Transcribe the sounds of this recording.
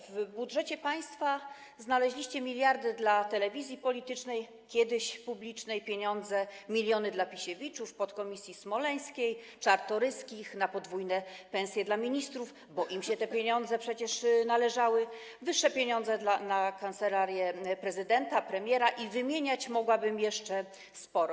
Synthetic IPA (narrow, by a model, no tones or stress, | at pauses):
vbudʐɛt͡ɕɛpaj̃st̪fa | znalɛʑlʲiɕt͡ɕɛmʲilʲjaɾd̪ɘd̪lat̪ɛlɛvʲizʲjipɔlʲit̪ɘt͡ʂnɛj | kʲjɛd̪ɘɕpublʲit͡ʂnɛjpʲjeɲɔnd̪zɛmʲilʲjɔnɘd̪lapʲiɕevʲit͡ʂufpɔt̪kɔmʲisʲjismɔlɛj̃skʲej | t͡ʂaɾt̪ɔɾɘskʲixnapɔd̪vujnɛpɛ̃ñsʲjɛd̪lamʲiɲist̪ɾuf | bɔʔimɕɛt̪ɛpʲjeɲɔnd̪zɛpʂɛt͡ɕɛʂnalɛʐawɘ | vɘʂːɛpʲjeɲɔnd̪zɛd̪lanakant̪sɛlaɾʲjɛpɾɛzɘd̪ɛnt̪apɾɛmʲjɛɾaʔivɘmʲjeɲat͡ɕmɔɡwabɘmjɛʂt͡ʂɛ | spɔɾɔ